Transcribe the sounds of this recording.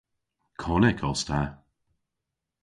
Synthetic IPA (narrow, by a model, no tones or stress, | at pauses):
kʰɔlɛkʰɔstʰa